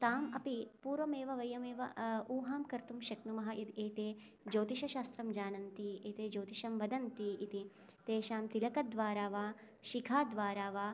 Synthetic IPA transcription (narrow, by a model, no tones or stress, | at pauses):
t̪aːmɐpipuːɾʋɐmeːʋɐʋɐjɐmeːʋɐuːɦaːmkɐɾt̪umʃɐknumɐɦɐʔit̪eːt̪eː | d͡ʒoːt̪iʃɐʃaːst̪ɾɐmd͡ʒaːnɐnt̪ieːt̪eːd͡ʒoːt̪iʃɐmʋɐd̪ɐnt̪iit̪i | t̪eːʃaːmt̪ilɐkɐd̪ʋaːɾaːʋaː | ʃikʰaːd̪ʋaːɾaːʋaː